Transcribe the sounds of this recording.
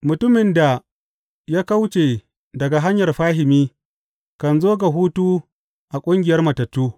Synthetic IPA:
mʊ˨tʊ˦mɪ˨nda˨ | jaː˦ka˦wt͡ʃe˨ | dɐ˨ɡa˨ɦa˦ɲjɐ˨rɸaː˦ɦɪ˨miː˦ | kɐ˨nzoː˦ɡa˨ɦuː˦tuː˦ | ʔa˨kʷʼʊ˦ŋɡʲɪ˨jɐ˦rmɐ˨tɐ˨tːuː˦

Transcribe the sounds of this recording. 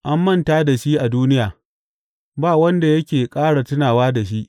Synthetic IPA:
ʔa˦mːɐ˦ntaː˦da˨ʃiː˦ʔa˨duː˦nɪ˦jaː˨ | baː˦˨wɐ˦nda˨jɐ˦kʲeː˨kʼaː˦ɽa˨tʊ˦naː˨waː˦da˨ʃ̬i˦ʔ

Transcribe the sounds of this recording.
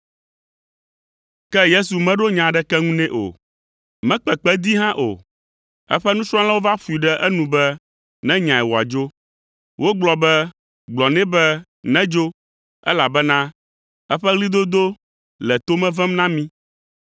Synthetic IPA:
kɛ˦je˦su˨mɛ̃˦ɖo˦ɲã˨ɖɛ˦kɛ˦ŋũ˦nɛ̃˦ʔo̰˨ | mɛ̃˦k͡pɛ˨k͡pɛ˦d̪i˦ɦã˦ʔo̰˨ | ɛ̰˦ɸɛ˦nũ˦t͡ʃɾ̃ã˦la˦wo˦va˦fu˨i˨ɖɛ˦ʔɛ˦nũ˨bɛ˦ | nɛ̃˦ɲã˨ɛ˨wo˨a̰˨d͡ʒo˦ | wʔo˦ɡ͡blɔ˨bɛ˦ | ɡ͡blɔ˨nɛ̃˦bɛ˦ | nɛ̃˦d͡ʒo˦ | ɛ̰˦la˨bɛ˦nã˦ | ɛ˦ɸɛ˦ɣli˦d̪o˦d̪o˦ | lɛ˨t̪o˦mɛ̃˦vɛ̃˦mnã˦mĩ˦

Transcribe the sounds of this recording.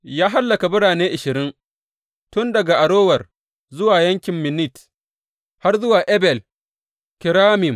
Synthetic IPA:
jaː˦ɦa˦lːɐ˨ka˨bʊ˦ɽaː˨neː˦ʔɪ˨ʃɪ˨ɾɪ˦ŋ | tʊ˦ndɐ˨ɡa˨ʔa˨ɽoː˦wɐ˨r | zʊ˦waː˨jɐ˦ŋkʲɪ˨mːɪ˨nɪ˦˨t | ha˦rzʊ˦waː˨ʔɛ˦bɛ˨l | kɪ˨ɾaː˦mɪ˨m

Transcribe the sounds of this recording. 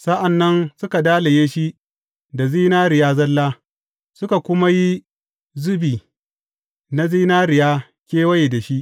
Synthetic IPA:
sa˦ʔa˨nːɐ˦nsʊ˦ka˨daː˦la˨jeː˦ʃi˦ʔ | da˨ziː˦naː˦ɾɪ˨jaː˦zɐ˦lːaː˦ | sʊ˦ka˨kʷʊ˦ma˦ji˦ | zʊ˦biː˨ | na˦ziː˦naː˦ɾɪ˨jaː˦ | kʲeː˦wɐ˦je˨da˨ʃi˦ʔ

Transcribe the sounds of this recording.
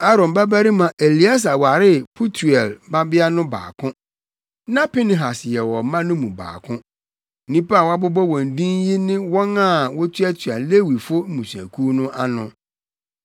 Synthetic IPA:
a˦ɾɔ̃˨mba˦bæ˦ɾi˦mã˨ʔe˨li˨˦a˦s̬a˨wa˨ɾɪ˦pʰu˦tʰu˨ɛ˨lba˦bɪ˦a˦nʊ̃˦ba̰ː˨kʰʊ̃˦ | nã˦pi˦nɪ̃˨ɦa˨sjɛ˨wɔ˨mã˦nʊ̃˦mũ˨ba̰ː˨kʰʊ̃˦˨ | nĩ˦pa˦a˨wa˦bʊ˦bɔ˦wɔ̃˨n˨dĩ˦n˦ji˦nɪ̃˦wɔ̃˦nã˦˨wɔ˦tʰu˦æ˦tʰɥa˨le˦wi˨fʊ˦mũ˨sæ̰˨kʰu˦nʊ̃˦ʔa˦nʊ̰̃˨

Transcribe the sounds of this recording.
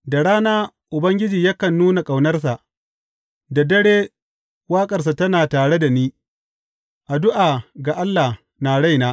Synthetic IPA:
da˨ɽaː˦naː˦ | ʔʊ˨bɐ˦ŋɡʲɪ˦d͡ʒiː˨ja˦kɐ˨nːuː˦na˨kʼa˨wnɐ˦rsa˨ʔ | dɐ˨dɐ˦ɽeː˦ | waː˦kʼɐ˨rs̬a˨tɐ˦naː˨taː˨ɽe˦da˨niː˦ | ʔa˨dʊ˦ʔaː˨ɡa˨ʔa˦lːa˨h | naː˨ɽa˦jnaː˦

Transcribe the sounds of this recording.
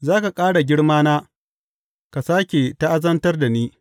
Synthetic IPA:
zaː˦ka˨kʼaː˦ɽa˨ɡʲɪ˦ɽmaː˦naː˦ | ka˨saː˦kʲe˨ta˦ʔa˦zɐ˦ntɐ˦rda˨niː˦

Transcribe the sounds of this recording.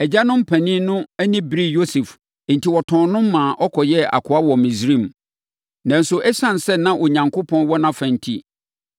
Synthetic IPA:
ɛ˨d͡ʑa˦nʊ̃˦m̩˦pʰæ̃˨nĩ˦nʊ̃˦æ˦nĩ˦bɾi˦jo˦sɛ˨f | n̩˨tʰi˦wɔ˨tʰɔ̃˨nʊ̃˦mː˦ãː˨ʔɔ˦kʰɔ˨jɛ˦a̰˨kʰʊ˨a˦wɔ˨mĩ˨sɾĩ˦˨m | nã˨n˦sʊ˨ʔɛ˦ɕã˦˨n˨sɛ˦nã˦ʔɔ˨ɲã˨ŋkʰʊ˦pʰɔ̃˦nwɔ˦nã˦fæ̃˨n̩˨tʰḭ˦

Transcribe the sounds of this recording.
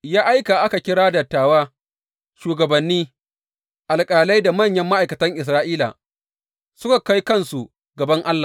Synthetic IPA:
jaː˦ʔa˦jka˨ʔa˦ka˨kʲɪ˦ɽaː˦dɐ˨tːaː˨waː˦ | ʃuː˨ɡɐ˨bɐ˨nːiː˦ | ʔa˨lkʼaː˨la˦jda˨mɐ˦˨ɲjɐ˦mːa˦ʔa˨kɐ˨tɐ˦ŋʔɪ˨s̬ɾaː˦ʔiː˦la̰˨ | sʊ˦ka˨ka˦jkɐ˦nsu˨ | ɡɐ˨bɐ˦ŋʔa˦lːa˨

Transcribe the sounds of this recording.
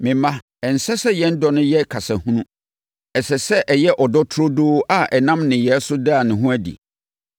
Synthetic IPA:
mɪ̃˨mã˦ | ɛ˨n̩˨sɛ˦sɛ˦jɛ̃˦n̩˦dɔ˦nʊ̃˦jɛ˦kʰa˨sa˨hũ˦nũ˦ | ɛ˨sɛ˨sɛ˦ʔɛ˨jɛ˦ʔɔ˨dɔ˦tʰʊ˦ɾo˦doː˦ʔa˦ʔɛ˨nã˦mnɪ̃˨jɛ˨˦sʊ˦da˦˨nɪ̃˨ɦũ˦æ˦dḭ˨

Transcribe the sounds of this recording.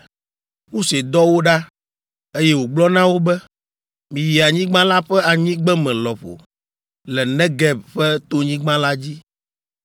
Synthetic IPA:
ŋũ˦se˨d̪ɔ˦wo˦ɖa˦ | e˦jɛ˦wo˨ɡ͡blɔ˦nã˦wo˦bɛ˦ | mĩ˨ji˨a˨ɲĩ˦ɡ͡bã˦la˦ɸɛ˦a˨ɲĩ˦ɡ͡bɛ˦mɛ̃˨lɔ˨ɸo̰˨ | lɛ˨nɛ̃˦ɡɛ˦b̚ɸɛ˦t̪o˦ɲĩ˦ɡ͡bã˦la˦d͡ʑi˦

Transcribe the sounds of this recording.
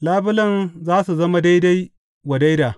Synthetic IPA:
laː˦bʊ˦lɐ˨nzaː˦su˨zɐ˦ma˦da˦jda˦j | wɐ˨da˦jdaː˨

